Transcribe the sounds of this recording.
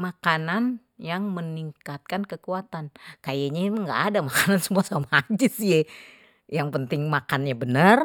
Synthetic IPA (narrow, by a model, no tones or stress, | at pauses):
makanan | jaŋməniŋkat̪̚kankəkuat̪ankajaɲaŋɡaːdamakanansəmuasamad͡ʒɪsjɛ | jaŋpənt̪ɪŋmakanɲabənər